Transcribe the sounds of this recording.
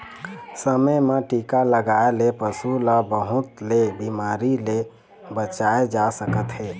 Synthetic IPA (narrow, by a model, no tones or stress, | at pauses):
səməmeʈikaləɡaelepəsulabəɦut̪lebimaɾile | bət͡ʃaed͡ʒasəkət̪ɦɛ